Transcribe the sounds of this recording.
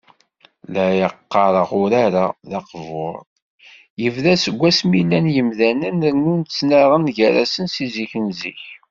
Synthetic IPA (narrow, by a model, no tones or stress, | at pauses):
læjəqːɑɾˤəʁʊɾaɾaðɑqvʊ̰ɾˤ | jəvðæsəɡʷːæsmilænjəmðænənɾnunt͡sːnaʁənʝæɾæsənsiziçənzḭç